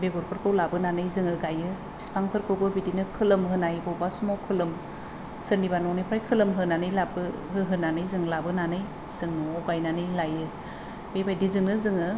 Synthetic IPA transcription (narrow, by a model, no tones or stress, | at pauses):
beɡɔɾpʰɯɾkʰɯwlabɯnanɯjzɯŋɯɡajɯ | b̥i̥spʰaŋpʰɯɾkʰɯwbɯbidinɯkʰɯlɯmɦɯnajbɔwbasumɔwkʰɯlɯm | sɯɾnibanɔnɯjpʰɾajkʰɯlɯmɦɯnanɯjlabɯ | ɦɯɦɯnanɯjzɯŋlabɯnanɯj | z̥ɯŋnɔɡajnanɯjlajɯ | bebajdizɯŋnɯzɯŋɯ